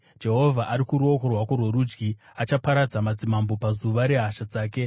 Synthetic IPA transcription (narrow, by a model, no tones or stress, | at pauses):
d͡ʒe̞ɦo̞vʱaʔaɾikuɾuo̞ko̞rwakorweɾud͡ʒɡi | at͡ʃapaɾad͡zamad͡zimambo̞pazuʋaɾe̞ɦaʃad͡zaːke̞